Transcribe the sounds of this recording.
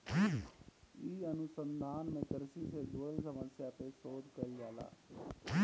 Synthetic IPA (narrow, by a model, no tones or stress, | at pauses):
i | iːənʊsənd̪ʱaːnmẽkəɾsiːsed͡ʒuəəlsəməsjaːpeːsoːd̪kəɾiːaːla̰ː